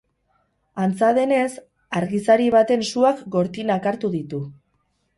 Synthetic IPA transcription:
ant͡saðe̞ne̞s | aɾɣisaɾiβ̞at̪e̞nsuakɡo̞ɾt̪inakaɾt̪uðit̪u

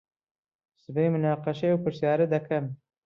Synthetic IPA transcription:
sɨbejmʊnɑːqɑʃeewpɨɾsjɑːɾɐd̪ɐkʰɐm

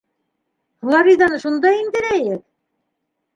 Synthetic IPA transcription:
χlˠɑɾid̪ɑnɤʃund̪ɑind̪ɘ̆ɾæjɘk̚

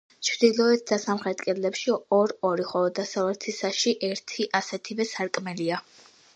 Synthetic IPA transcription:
t͡ʃʰvd̪ilˠɔɛt̪̚ʰd̪̥asamχɾɛt̪ʼkʼɛlɛpʃiɔɾɔɾiχɔlɔd̪asavɛɾt̪ʰisaʃiʔɛɾt̪ʰiʔasɛt̪ʰivɛsaɾkʼmɛlia

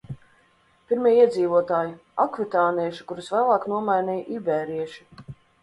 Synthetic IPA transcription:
pʲiɾmiɛiɛziːvuɔt̪aːji | akvit̪aːniɛʃi̥kuɾusvæːlˠɑːknuɔmajnʲɛjʔibɛːɾiɛʃi̥

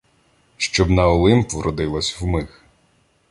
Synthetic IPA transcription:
ʃt͡ʃɔbnɐɔlˠɪmpʋɾʔɔd̪ɪlˠɐsʲwmɪx

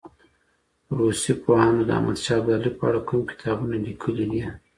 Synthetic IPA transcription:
ɾosipohɑnod̪ə̰a̰mʔa̰d̪ʃɑbɑlipəaɽakumkɪ̥t̪ʰɑbunalikʰəlid̪i

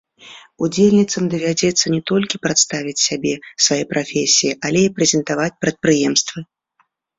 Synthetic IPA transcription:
ud͡zʲelʲnʲit̪sɐmd̪ɐvʲad͡zʲɛt̪sːɐnʲɛt̪ɔlʲkʲipɾat̪st̪avʲit͡sʲsʲabʲɛsvajɛpɾafʲesʲijiʔalʲɛipɾɛzʲɛnt̪avat͡sʲpɾɐt̪̚pɾɨjɛmst̪vɨ

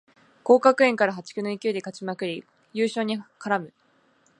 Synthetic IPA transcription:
ko̞ːkakɯ̟ẽ̞ŋkaɾaɦat͡ɕi̥kʲɯnoikʲɯːd̪e̞kat͡ɕimakɯ̟ɾʲi | jɯːɕo̞ːɲ̟ikaɾamɯ̟

